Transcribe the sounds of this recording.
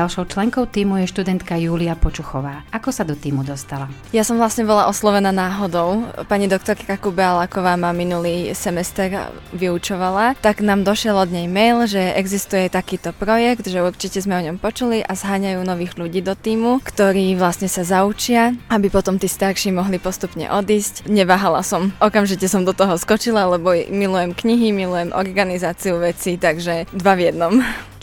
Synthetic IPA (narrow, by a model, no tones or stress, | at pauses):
alʃɔʊt͡ʃlɛŋkɔʊt̪iːmujɛʃt̪ud̪ɛnt̪kajuːliapɔt͡ʃuxɔʋaːʔakɔsad̪ɔt̪iːmud̪ɔst̪ala | jasɔmʋlasɲɛbɔlaʔɔslɔʋɛnaːnaːɦɔd̪ɔʊpaɲid̪ɔk̚t̪ɔɾkaɾakubɛalakɔʋaːmaminuliːsɛmɛst̪ɛːɾ | ʋiut͡ʃɔʋalat̪aɡnaːmd̪ɔʃɪɛlɔd̪ɲɛjmɛjlʒɛʔɛɡzist̪ujɛt̪akiːt̪ɔpɾɔjɛɡt̪ʒɛuɾt͡ʃicɛzmɛɔɲɔmpɔt͡ʃuliʔazɦaːɲajuːnɔʋiːɣʎuɟiːd̪ɔt̪iːmukt̪ɔɾiːʋlasɲɛsazaut͡ʃɪaabipɔt̪ɔmt̪iːst̪aɾʃiːmɔɦlipɔst̪upɲɛ̰ʔɔd̪iːscɲɛʋaːɦalasɔmʔɔkamʒicɛsɔmd̪ɔt̪ɔɦɔskɔt͡ʃilalɛbɔmilujɛmkɲiɦimilujɛmʔɔ̰ɾɡanizaːt͡siuʋɛt͡sit̪aɡʒɛd̪ʋaʋjɛd̪nɔm